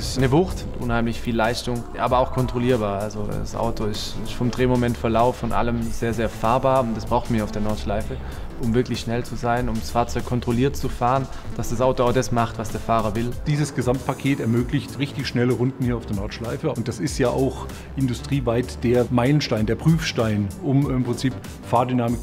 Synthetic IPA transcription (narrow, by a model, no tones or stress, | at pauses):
ɪsnəvʊχt | ʔʊ̰nhaɪmlɪçfiːlːaɪstʊŋʔaːbɐaʊxkʰɔntʁ̥oliːɐbaːɐalzoda̰sʔa̰ʊtʰoɪstɪsfɔmdʁeːmomɛntfɛɐlaʊfːɔnʔa̰ləmz̥eːɐzeːɐfaːɐbaːɐʊntd̥asb̥ʁaʊxtmiːɐaʊd̥eːɐnɔɐtʃlaɪfə | ʔʊmvɪɐklɪçʃnɛlt͡suzaɪnʊmdasfaːɐt͡sɔʏkʰɔntʁ̥oliːɐtt͡sufaːʁənd̥asd̥asʔaʊtoaʊdasmaχtv̥asd̥eːɐfaːʁɐvɪld̥iːzəsɡ̥əzamt̚pʰakʰeːtɛɐmøːklɪçtʁɪçtɪçʃnɛləʁʊndn̩hiːɐaʊd̥eːɐnɔɐtʃlaɪfəʊnt̚d̥asɪstjaːʔaʊx | ʔɪndʊstʁ̥iːvaɪtd̥eːɐmaɪlənʃtaɪndeːɐpʁ̥yːfʃtaɪnʊmɪmpʁ̥ɪnt͡siːp | faːɐdynaːmɪk